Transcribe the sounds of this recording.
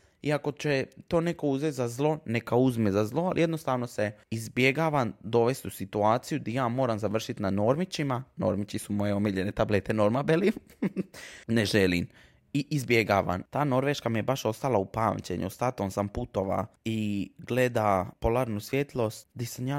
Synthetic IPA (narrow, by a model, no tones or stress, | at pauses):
iako̞t͡ʃet̪oːne̞ko̞uzʋet̪zazlˠo̞nekauzmezazlˠo̞alḭjed̪nost̪aːʋno̞se̞izbje̞ɡaːʋand̪o̞ʋe̞st̪usit̪uaːt̪sijud̪ajaːmo̞ːɾamzaʋr̩ʃit̪nano̞ɾmit͡ɕimano̰ɾmit͡ʃisumo̞jeomiʎene̞t̪ablet̪eno̞ɾmabeli | neʒelḭm | iʔizbjeɡa̰ːʋa̰nt̪aːno̞ɾʋeʃkamijebaʃo̞st̪alaupaːmt͡ɕḛɲʔṵost̪at̪onsamput̪oʋa̰iɡle̞d̪apo̞lˠaːɾnusʋjet̪lˠo̞st̪d̪isamjaː